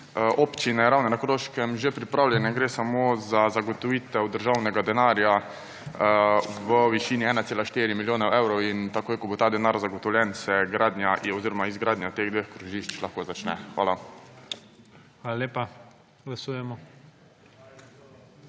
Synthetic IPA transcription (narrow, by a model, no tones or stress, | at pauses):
ʔɔpt͡ʃinɛɾawnɛnakɾoːʃkɛmʒepɾipɾaːwljɛnɛɡɾeːsamozazaɡɔt̪ɔʋiːt̪ɛwd̪əɾʒawnɛɡad̪ɛnaɾja | ʋəʋiʃiːniɛːnat̪seːlaʃt̪eːɾimiljoːnɛɛwɾɔwint̪akoːjkɔbot̪aːd̪ɛnaːɾzaɡɔt̪ɔwlʲjɛnsɛɡɾaːd̪njaʔɔziːɾɔmaizɡɾaːd̪njat̪eːɣd̪ʋeːxkɾuʒiʃt͡ʃlaxkoːzat͡ʃnɛ̰xʋa̰ːla | xʋaːlalʲeːpa | ɡlasuːjɛmɔ